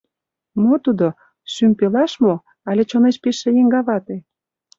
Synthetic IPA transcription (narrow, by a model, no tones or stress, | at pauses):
mot̪ud̪o | ʃympelɑʃmo | ɑlʲet͡ɕoneʃpeʃĕjeŋɡɑβɑt̪e